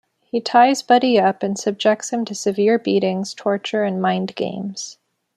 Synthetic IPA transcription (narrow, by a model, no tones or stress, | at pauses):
hitʰaɪzbʌɾiʌpɨ̃nsɨb̚d͡ʒɛk̚tshɨ̃mtʰɨsɨvɪɹbiɾɪ̃ŋz̥tʰɔɹt͡ʃə˞ɨ̃nmãɪ̃nɡḛ̃ɪ̃mz̥